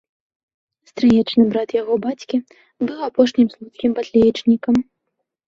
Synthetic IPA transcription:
st̪ɾɨjɛt͡ʂnɨbɾat̪jaɣɔbat͡sʲkʲi | bɨwapɔʂnʲimslˠut̪kʲimpat̪ʲlʲɛjit͡ʂnʲikɐm

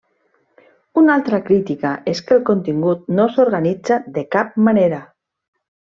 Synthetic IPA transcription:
unalˠt̪ɾakɾit̪ikaʔeskelkont̪iŋɡut̪̚nosoɾɣanid͡zaðekap̚maneɾa

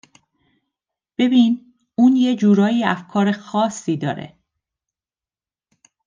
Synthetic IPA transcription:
b̥e̞biːn | uːnjed͡ʒuːɾɒːjiːæfkʰɒːɾe̞xɒːsːiːd̪ɒ̰ːɾḛ

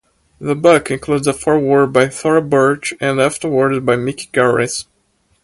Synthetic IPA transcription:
ðəbʊkɨ̃nkʰludzəfɔɹwɔɹ̚baɪθɔɹəbɜ˞t͡ʃɨ̃næftə˞wəɹzbajmɪkɡ̥ɑɹɪ̰s

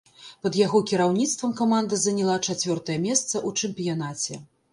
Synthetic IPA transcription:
pɐd̪jaɣɔkʲiɾawnʲit̪st̪vɐmkɐmand̪ɐzɐnʲɛlˠat͡ʂat͡sʲvʲɔrt̪ɐjɛmʲɛst̪sɐʔut͡ʂɛmpʲijanat͡sʲɛ

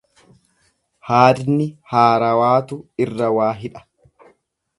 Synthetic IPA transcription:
haːd̪nɪhaːɾɐwaːt̪ʊɪrːɐwaːɦɪᶑɐ̥

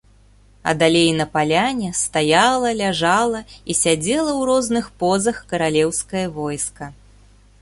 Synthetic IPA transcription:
ɐ̰d̪alʲejnɐpalʲanʲɛst̪ajalˠɐlʲaʐalˠɐisʲad͡zʲɛlˠɐwɾɔznɨxpɔzɐxkɐɾalʲɛwskɐjɐvɔjskɐ

